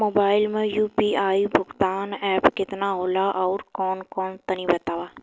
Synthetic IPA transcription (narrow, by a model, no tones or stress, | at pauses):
moːbaːɪlmẽjuːpiːaːibʱʊɡt̪aːnɛːpkɪt̪naɦoːlaʔɔːɾkɔːnkɔːnt̪ɐnibɐt̪aːʋaː